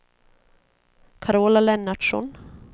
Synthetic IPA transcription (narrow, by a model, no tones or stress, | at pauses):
kʰaɾoːlalɛnːaɖ̥ʂɔ̰n